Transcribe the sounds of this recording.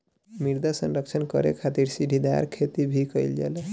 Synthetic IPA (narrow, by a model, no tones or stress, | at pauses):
miɾd̪asənɾəkt͡ʃʰənkə̰ɾḛkʰat̪iɾsidʱid̪a̰ɾkʰet̪ibʱikəjld͡ʒa̰lɛ